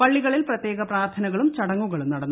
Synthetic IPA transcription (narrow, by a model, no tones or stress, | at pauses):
pɐɭːiɣɐɭilprɐt̪je̞ːɣɐpraːrt̪ʰɐnɐɣɐɭumt͡ɕɐɽɐŋːuɣɐɭumnɐɽɐnːu